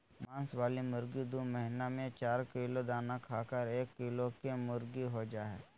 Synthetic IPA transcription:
mãːnsʋaːlimʊɾɡid̪oːməɦɪnamẽt͡ʃaːɾkɪlod̪aːnakʰaːkəɾeːkːɪlokemʊɾɡiɦod͡ʒaːɦɛ̰ː

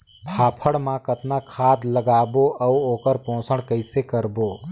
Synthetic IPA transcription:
pʰaːpʰəɽmãkət̪nakʰaːd̪ləɡaːboʔɐuoːkəɾpõːsəɽkəɪsekəɾboː

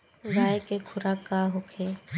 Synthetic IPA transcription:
ɾaːjekekʰʊɾaːkaːɦokʰeː

